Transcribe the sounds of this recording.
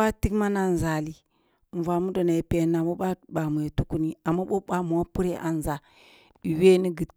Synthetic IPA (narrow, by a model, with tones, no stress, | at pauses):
a˦ti˦kma˦na˦n˨za˨li˨ | ɱ˨va˨mu˦do˨na˨pe˨na˨mo˦ɓa˦ɓa˨mu˨je˨tu˦ku˦ni˦a˨mːa˦ɓo˦ɓa˦m˨wa˦pu˦ɾe˦ʔa̰˨n˨za˨ | i˨we˦ni˦ɡi˨t